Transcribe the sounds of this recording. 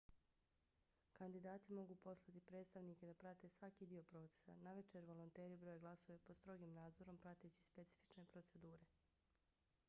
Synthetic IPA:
kand̪id̪aːt̪imo̞ɡuːpo̞slˠat̪ipɾe̞ːt̪st̪aʋniːke̞d̪apɾat̪e̞sʋakiːd̪io̞pɾo̞ːt̪se̥sa̰naʋet͡ʃeɾʋo̞lont̪e̞ːɾibɾo̞jeɡlˠaso̞ʋepost̪ɾo̞ɡiːmnaːd̪zo̞ɾo̞mpɾat̪et͡ɕi̥spe̞t̪si̥fi̥t͡ʃne̞pɾo̞t̪se̞d̪uːɾe̞

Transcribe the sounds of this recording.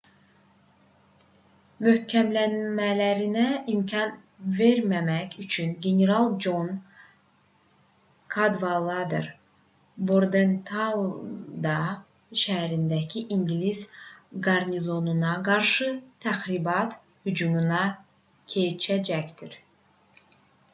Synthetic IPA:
møhcʰæmlænmælæɾinæimcʰɑn | ve̞ɾmæmæcyt͡ʃʰynɡeneɾɑlˠd͡ʒo̞n | kʰɑd̪vɑlˠɑd̪ɯ̰ɾ | boɾd̪ent̪ʰa | d̪ɑ | ʃæɦæɾind̪æcʰiʔiŋɡlizɡɑɾnizo̞nunɑɡɑɾʃɯt̪ʰæxɾibɑt̪ | hyd͡ʒumunɑ | cʰe̞jt͡ʃʰæd͡ʒæcd̪̥iɾ

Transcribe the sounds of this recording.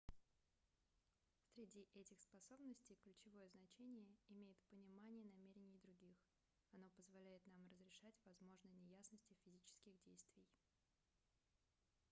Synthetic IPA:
sɾʲɪdʲiʔɛtʲɪxspɐso̞bnəsʲtʲɪjklʲʉt͡ɕɪvo̞jəznɐt͡ɕenʲɪjəɪmʲejɪt̪pənʲɪmanʲɪjənɐmʲeɾʲɪnʲɪjd̪ɾʊɡʲix | ɐno̞pəzvɐlʲæjɪt̪namrəzɾʲɪʂatʲvɐzmo̞ʐnəjnʲɪjasnəsʲtʲɪfʲɪzʲit͡ɕɪ̥skʲɪɣdʲejst̪vʲɪj

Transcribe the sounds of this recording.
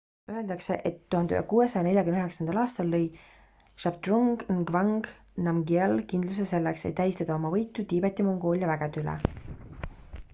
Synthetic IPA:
øe̞ld̪̥ɑkse̞̰ʔet̪ːuhɑnd̪y̰hḛkuːe̞sɑjɑnelʲjɑkymnyɦeksɑnd̪ɑlɑːst̪ɑlːɤj | ʃɑb̚t̪ruŋɡ̥nɡvɑŋɡ̥ | nɑmɡielkind̪lus̬ese̞lːeksḛt̪t̪ːæjst̪ɑd̪ɑo̞mɑvɤjt̪ːˑut̪iːbet̪ːˑimo̞ŋɡo̞ːlʲjɑvæɡ̥et̪ylḛ

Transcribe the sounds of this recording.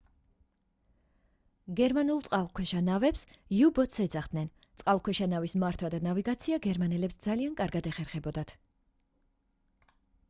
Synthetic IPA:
ɡɛɾmanulˠt̪sʼqʼalˠkʰwɛʃanavɛpsjubɔt̪sɛd̪zaχd̪nɛn | t̪sʼqʼalˠkʰwɛʃanavismaɾt̪ʰwad̪anaviɡat̪sʰiaɡɛɾmanɛlɛpsd̪zaliankʼaɾɡad̪ɛχɛɾχɛbɔd̪at̪ʰ

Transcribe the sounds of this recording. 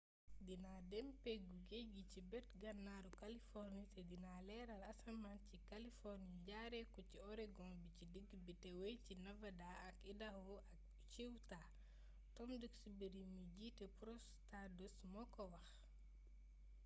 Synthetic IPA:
dinadɛmpeɡuɡeɡicibɛtɡanːaɾukalifɔɾnisedinalɛɾalasamancikalifɔɾniɟaɾɛkuciɔɾɛɡɔnbicidəɡbitɛwejcinavadaakidahuʔak̚ | t͡ʃiwta | tɔmdəɡsubeɾiniɟitɛpɾɔs | tadusmɔkɔwax

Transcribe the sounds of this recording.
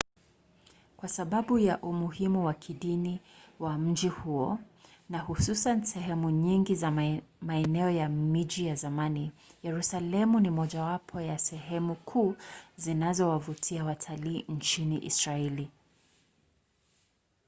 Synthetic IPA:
kwasaɓaɓujaʔumuhimuwakʰiɗiniwam̩d͡ʒihuɔ | nahususansɛɦɛmuɲiŋɡizamaɛnɛɔjamid͡ʒijazamanijɛɾusalɛmunimɔʄawapʰɔjasɛɦɛmukʰuːzinazɔwavutʰiawatʰaliːnt͡ʃiniʔḭsɹaɛli

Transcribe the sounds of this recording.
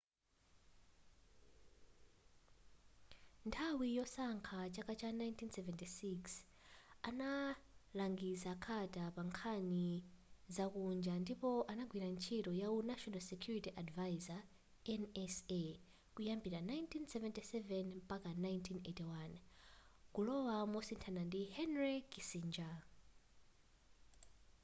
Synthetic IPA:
ntʰawijɔsaŋkʰat͡ʃakat͡ʃanajntʰinsɛvɛntisiks | analaŋɡisakʰatapaŋkʰanizakund͡ʒandipɔʔanaɡwinant͡ʃʰitɔjawunaʃɔnalsɛkʰjuɾitiʔadvaiza | ɛnɛse | kujambiɾanajntʰinsɛvɛntisɛvɛnpakanajntʰinetiwan | kulɔwamɔsintʰanandihɛnrikisind͡ʒa

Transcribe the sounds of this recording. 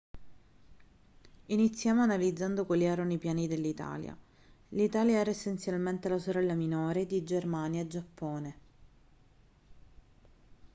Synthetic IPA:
init̪sːjaːmoanalid̪zːand̪okwelːiɛːɾonoipjaːnid̪elːit̪a̰ːlja̰ | lit̪aːljaɛːɾaesːent̪sjalment̪elasoɾɛlːaminoːɾed̪id͡ʒermaːnjaed͡ʒapːɔːne

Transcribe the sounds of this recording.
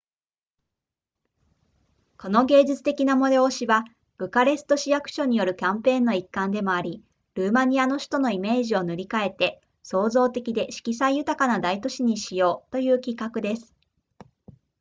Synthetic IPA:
ko̞no̞ɡe̞ːʑit͡sɨ̥t̪e̞kʲinamo̞d̪eoɕiβa | b̥ɯ̟kaɾe̞sɨ̥t̪o̞ɕijakɯ̟̥ɕo̞ɲ̟ijo̞ɾɯ̟kʲãmpẽ̞ːnːo̞ikːãnd̪e̞mo̞aɾʲi | ɾɯ̟ːmaɲ̟iano̞ɕi̥t̪o̞no̞ime̞ːʑio̞nɯ̟ɾʲikae̞t̪e̞ | so̞ːzo̞ːt̪e̞kʲid̪e̞ɕi̥kʲisaijɯ̟t̪akanad̪ait̪o̞ɕiɲ̟iɕijo̞ːt̪o̞jɯ̟ːkʲikːakɯ̟d̪e̞sɨ̥

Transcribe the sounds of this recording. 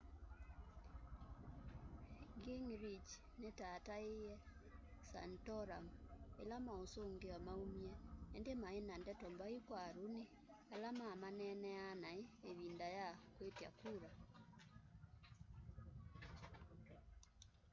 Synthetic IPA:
ɡiŋɾit͡ʃ | netataejɛsa̰ntɔɾamḛlamaosoŋɡeamaumjɛːndemaenandɛtɔmbaikwaɾone | alamamanɛnɛanaeeβindajakwetja̰kuɾa

